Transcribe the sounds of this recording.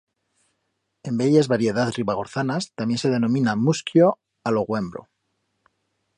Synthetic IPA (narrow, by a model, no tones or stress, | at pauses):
e̞mbeʎezβaɾje̞ð̞aðriβaɣ̞o̞ɾθanast̪amje̞nse̞ð̞e̞nõ̞mĩnamuskjo | alo̞ɣwe̞mbɾo̰